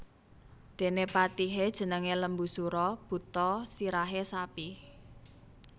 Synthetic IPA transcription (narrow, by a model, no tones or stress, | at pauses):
d̪̥e̤nepat̪iɦed̥ʒ̥ə̤nəŋeləmbusuɾɔb̥ṳt̪ɔsiɾaɦesapi